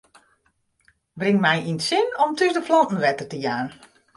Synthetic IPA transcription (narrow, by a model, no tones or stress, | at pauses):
brɪŋmɛjʔinsɪnɔmtʰysdəflɔntn̩ʋɛtərtəjaːn